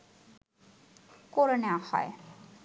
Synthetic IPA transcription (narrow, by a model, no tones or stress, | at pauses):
koɾenewahɔ̰e